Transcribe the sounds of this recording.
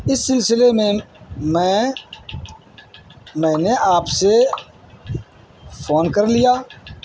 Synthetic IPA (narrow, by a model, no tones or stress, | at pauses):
ɪsːɪlsɪleːmẽːmɛ̃ː | mɛ̃ːneʔaːpse | pʰoːnkəɾlɪjaː